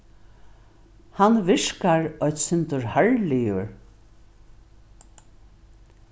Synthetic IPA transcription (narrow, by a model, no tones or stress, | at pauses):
hanvɪʂkaɹɔjt̪sʏnt̪ʊɹhaɹlɪjʊɹ